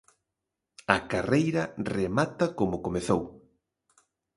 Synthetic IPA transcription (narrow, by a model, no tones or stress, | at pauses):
ɐkarejɾɐremat̪ɐkomʊkomeθow